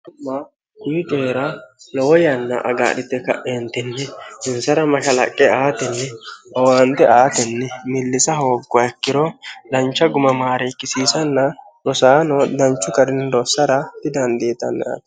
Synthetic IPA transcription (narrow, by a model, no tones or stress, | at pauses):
ʊmːɐ | kʊjɪt͡ʃʼeːɾɐlɔwɔjɐnːɐ̰ʔɐ̰ɡa̰ːɗɪt̪ːɛkɐ̰ʔent̪ɪnːɛɪnsɐɾɐmɐʃɐlɐkʼːɛaːt̪ɛnːɛɐwaːnt̪ɛʔaːt̪ɛnːɛmɪlːɪsɐɦoːɡːɐɛkːɪɾɔd̪ɐnt͡ʃːɐɡʊmɐmaːɾekːɪsiːsɐnːɐ | ɾɔsaːnɔd̪ɐnt͡ʃːʊkɐɾɪnd̪ɔsːɐɾɐt̪ɪd̪ɐnd̪eːt̪ɐ̰nːa̰ːt̪